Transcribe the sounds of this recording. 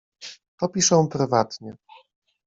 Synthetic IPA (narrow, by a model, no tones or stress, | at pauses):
t̪ɔpʲiʂɛw̃pɾɘvat̪ɲɛ